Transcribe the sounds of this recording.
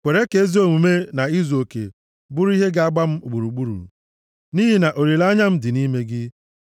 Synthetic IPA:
kʷe˨ɾe˦ke˨˦e˦zi˦o˦˨mu˨me˦na˨i˦zo˨kḛ˨ | bʊ˦ɾi˦ɦe˦ɡa˦a˦ɡ͡ba˦m̩˦u˨ɡ͡bu˨ɾu˨ɡ͡bu˦ɾṵ˨ | ni˦ɦi˨na˨ʔo˨ɾi˨la˦ɲa˦m̩˦dɪ˨ni˦me˦ɡɪ˦

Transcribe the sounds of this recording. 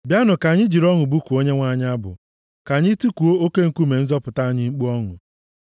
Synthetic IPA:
bja˦nʊ˨ka˨ɲɪ˦d͡ʒi˨ɾɔ˦ŋʊ˨bu˦ku˨o˦ɲe˦ŋʷa˨ɲɪ˦a˦bʊ̰˨ | ka˨ɲɪ˦tu˦ku˨o˦o˦ke˦ŋ̩˨ku˦me˨n̩˦zɔ˦pʊ˨ta˦a˨ɲɪ˦ŋ͡m̩˦k͡pu˦ɔ˦ŋʊ̰˨

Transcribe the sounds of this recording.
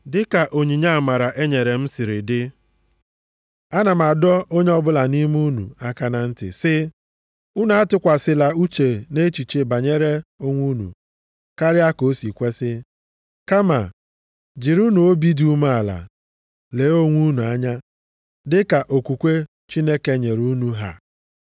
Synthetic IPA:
dɪ˦ka˨ʔo˨ɲi˨ɲa˦a˨ma˨ɾa˨ʔe˦ɲe˨ɾe˨m̩˦sɪ˨ɾɪ˨dɪ˦ | a˦na˨ma˨dɔ˦o˦ɲe˦ɔ˦bʊ˦la˨ni˦m˦u˦nṵ˨a˦ka˦na˨n̩˦tɪ̰˨sɪ˦ | u˦nu˨˦a˦tʊ˦kʷa˨sɪ˦la˨u˦t͡ʃe˨ne˦t͡ʃi˨t͡ʃe˨ba˨ɲe˦ɾe˦o˦ŋʷu˦nṵ˨ | ka˦ɾɪ˦a˦ko˦si˨kʷe˦sɪ˦ | ka˦ma̰˨ | d͡ʒɪ˨ɾu˦nu˨o˦bi˦du˦ma˦a˨la̰˨ | le˨˦o˦ŋʷu˦nu˨a˦ɲa˦ | dɪ˦ka˨ʔo˨ku˨kʷe˦ | t͡ʃi˦ne˦ke˦ɲe˨ɾu˦nu˦ɦa̰˨

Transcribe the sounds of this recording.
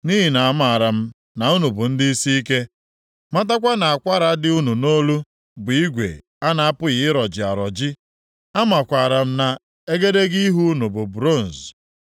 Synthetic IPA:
ni˦ɦi˨na˨a˦ma˨ɾa˨m̩˦ | na˨u˦nu˨bʊ˨n̩˦dɪ˦i˦si˦i˦ke˦ | ma˦ta˦kʷa˦na˨a˨kʷa˦ɾa˨˦dɪ˦u˦nu˨no˦lu˦ | bʊ˨i˦ɡʷḛ˨ | a˦na˨a˦pʊ˦ɣɪ˨ɪ˦ɾɔ˨d͡ʒɪ˨a˨ɾɔ˨d͡ʒɪ˦ | a˦ma˨kʷa˨ɾa˨m̩˦na˨ | e˦ɡe˦de˦ɡi˦ɦu˦nu˨bʊ˨bɾo˦˨n̩˨z

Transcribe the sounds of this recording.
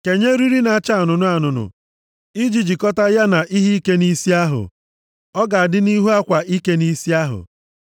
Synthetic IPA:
ke˨ɲe˦ɾi˦ɾi˦na˨a˨t͡ʃa˦a˨nʊ˨nʊ˦a˨nʊ˨nʊ̰˨ | i˦d͡ʒi˨d͡ʒi˨kɔ˦ta˦ja˦na˨ʔi˦ɦi˦i˦ke˦ni˦si˦a˦ɦʊ̰˨ | ɔ˦ɡa˨a˨dɪ˦ni˦ɦu˦a˦kʷa˨ʔi˦ke˦ni˦si˦a˦ɦʊ̰˨

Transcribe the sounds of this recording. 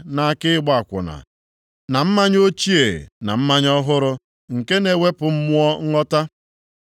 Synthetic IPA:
na˨a˨kɪ˦ɡ͡ba˨kʷʊ̰˨na̰˨ | na˨m̩˦ma˦ɲ˦o˦t͡ʃi˦e˨na̰˨m̩˦ma˦ɲɔ˦ɦʊ˦ɾʊ˦ | ŋ̩˨ke˦ne˨wʷe˦pʊ˨m̩˦mʊ˦ɔ˦ŋ̩˦ŋɔ˦ta˦

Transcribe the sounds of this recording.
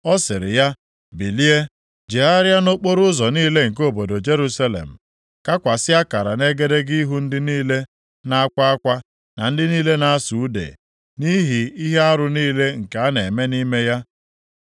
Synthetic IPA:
ɔ˦sɪ˨ɾɪ̰˨ja˦ | bi˨li˦e˦ | d͡ʒe˨a˦ɾja˦no˦k͡po˦ɾʊ˦zɔ˨niː˦le˦ŋ̩˨k̬o˦bo˨do˨d͡ʒe˦ɾu˦sa˦lḛ˨m̩˨ | ka˦kʷa˨sɪ˦a˦ka˨ɾa˨ne˦ɡe˦de˦ɡi˦ɦu˦n̩˦dɪ˦niː˦le˦ | na˦a˦kʷa˦a˦kʷa˦ | na˨n̩˦dɪ˦niː˦le˦na˦a˦su˨˦dḛ˨ | ni˦ɦi˨i˦ɦe˦a˦ɾʊ˨niː˦le˦ŋ̩˨ke˨a˦ne˨me˦ni˦me˦ja˦

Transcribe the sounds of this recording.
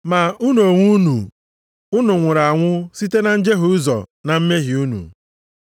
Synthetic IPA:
ma˨u˦no˨ŋʷu˦nṵ˨ | ʊ˦nʊ˨ŋʷʊ˨ɾa˨a˨ŋʷʊ˦si˦te˦na˨n̩˦d͡ʒe˦ɦʊ˨˦zɔ̰˨na˨m̩˦me˦ɦɪ˨u˦nṵ˨

